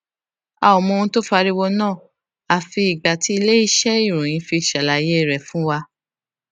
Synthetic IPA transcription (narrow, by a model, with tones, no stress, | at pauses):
a̰˨ɔ˨mɔ̃˧ũ˧˦to˦fa˧ɾi˦wɔ˧nãː˦˨ | a˦˨fi˧i˨ɡ͡ba˨ti˨˦i˦˧le˦i˦ʃɛ˦i˦˨ɾũ˨j̃ĩ˨˧˦fi˧˨ʃa˨la˨je˦˨ɾɛ˨fũ˦wa˧